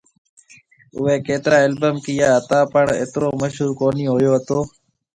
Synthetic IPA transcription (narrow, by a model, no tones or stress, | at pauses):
ʊʋeːkeːt̪ɾãːelbəmkɪjaːɦət̪ãːpəɳḛːt̪ɾoːməʃɦuːɾkoːniːɦoːjoːɦət̪oː